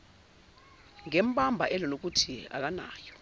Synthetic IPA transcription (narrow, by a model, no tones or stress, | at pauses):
ŋɛm̩ɓambʱa̰ʔɛlɔnok̬utʰia̰k̬ana̰ːjɔ